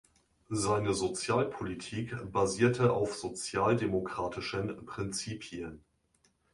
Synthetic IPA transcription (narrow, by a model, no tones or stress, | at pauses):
zaɪnəzot͡sjaːlpʰolitʰiːkb̥aziːɐtʰəʔaʊfz̥ot͡sjaːldemokʁ̥aːtɪʃənpʁ̥ɪnt͡siːpʰiən